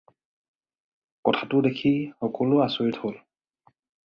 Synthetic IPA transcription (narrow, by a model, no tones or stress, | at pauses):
kɔtʰatʊdekʰixɔkɔlʊasoɹithol